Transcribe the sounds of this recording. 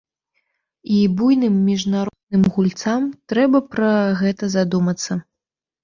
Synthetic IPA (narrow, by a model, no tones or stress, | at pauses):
ibujnɨmːʲiʐnaɾɔd̪̚nɨmɣulʲt̪samt̪ɾɛbɐpɾɐɣɛt̪ɐzad̪umɐt̪sːɐ